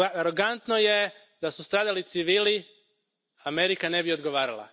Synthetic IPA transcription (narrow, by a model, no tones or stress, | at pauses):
aɾoɡant̪no̞je̞ | d̪asust̪ɾaːd̪alit̪siʋiːli | ameɾikane̞bio̞d̪ɡo̞ʋaːɾalˠa̰